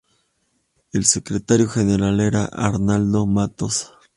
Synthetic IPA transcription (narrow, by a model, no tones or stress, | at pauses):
elsekɾet̪aɾjoxeneɾaleɾa̰ʔa̰ɾnald̪omat̪os